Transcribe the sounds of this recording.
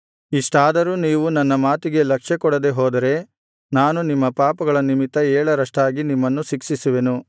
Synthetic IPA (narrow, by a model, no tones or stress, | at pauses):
iʂʈaːd̪ɐɾuːniːʋunɐnːɐmaːt̪iɡe̞lɐkʂɐkɔɽɐd̪e̞ɦoːd̪ɐɾe̞ | naːnunimːɐpaːpɐɡɐɭɐnimit̪ːɐɛːɭɐɾɐʂʈaːɡinimːɐnːuʃikʂisuʋe̞nu